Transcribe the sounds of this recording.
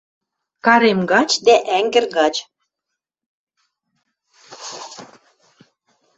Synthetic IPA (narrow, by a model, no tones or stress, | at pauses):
kɑɾemɡɑt͡ɕd̪æʔæŋɡɘ̆rɣɑt͡ɕ